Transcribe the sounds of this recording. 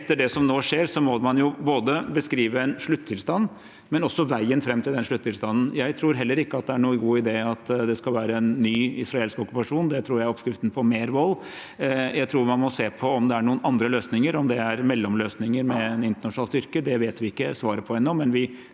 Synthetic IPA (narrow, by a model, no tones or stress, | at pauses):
ɛt̪ːəɖɛsɔmnoːʂeːɾsɔmɔmɑnjʊboːd̪əbəskɾiːʋəɛnʂɭʉt̪ʰːɪlst̪ɑnː | mɛnɔsːɔʋæɪənfɾɛmːt̪ʰɪld̪ɛnʂɭʉt̪ʰːɪlst̪ɑnːn̩jæɪt̪ʰɾuːɾɦɛlːəɾɪkːəɑt̪̚d̪ɛæɳuːəɡuːɪd̪eːɑt̪d̪ɛskɑlʋæːɾəɛnːyːɪsɾɑeːlskɔkːʉpɑʂuːnd̪ɛt̪ʰɾuːɾjæɪɔpskɾɪft̪n̩pʰɔmeːɾʋɔlː | jæɪt̪ʰɾuːɾmɑnmɔseːpʰɔɔmd̪ɛæɳuːənɑnd̪ɾəløːsnɪŋəɾɔmd̪ɛæɾmɛlːɔmløːsnɪŋəɾmɛɛnɪnt̪əɳɑʂnɑːlst̪ʏɾkəd̪ɛʋeːt̪ʋɪɪkːəsʋɑːɾəpʰɔɛnːoːmɛnʋɪ